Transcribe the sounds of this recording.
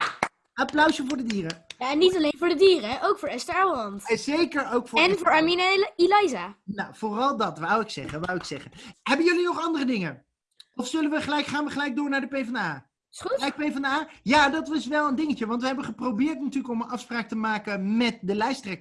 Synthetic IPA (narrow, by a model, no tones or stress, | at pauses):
ɑplœɥsəvʊːɹdədiːrəjaɛnːitɑlejnvʊːɹdədiːrəʔowkfʊːɹɛstəɛllɑntzejkəɹowkfɛnvʊːɹɑɹmineləilajzaːnawv̥ʊːrɑlˠdɑtʋawɪksɛχənʋawɪksɛχənɦɛbənjɵlinɔχɑndərədɪŋə | ɔfsɵlənʋəχəlɛjkχaːnʋəχəlɛjk̚dʊːɹnaːɹdəpejvɑndəaː | utɛjpejvɑndəaːjaːdɑtɪsʋɛlˠəndɪŋəcəʋɑntʋəɦɛbənχəprowbɪːɹtnatyːləkɔmənɑfspraːk̚təmaːkənmɛt̚dəlɛjstrɛk